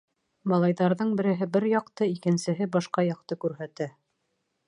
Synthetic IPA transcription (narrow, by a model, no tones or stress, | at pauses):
bɑlˠɑjðɑɾðɤɴbɘ̆ɾɘ̆ɦɘbɘɾjɑqt̪ɤikɘ̆nsɘ̆ɦɘbɑʃqɑjɑq̚t̪ɤkʉɾɦæt̪æ